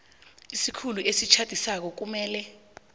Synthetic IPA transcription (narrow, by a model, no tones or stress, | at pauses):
isikʰuluʔesit͡ʃʰad̥ʱisak̬ɔk̬umɛːlɛ